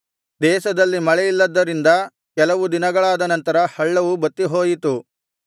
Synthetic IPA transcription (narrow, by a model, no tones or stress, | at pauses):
d̪ɛːʃɐd̪ɐlːimɐɭɛjilːɐd̪ːɐɾind̪ɐ | kɛlɐʋud̪inɐɡɐɭaːd̪ɐnɐnt̪ɐɾɐhɐɭːɐʋubɐt̪ːiɦo̞ːjit̪u